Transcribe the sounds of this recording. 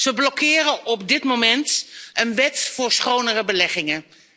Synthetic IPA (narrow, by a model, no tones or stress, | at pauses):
zəblɔkɪːrənɔb̚dɪtmomɛntənʋɛtfʊːɹsχownərəbəlɛχɪŋə